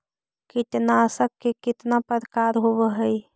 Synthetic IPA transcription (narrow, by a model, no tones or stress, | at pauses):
kɪt̪nasəkːekɪt̪napəɾkaɾɦobəɦəj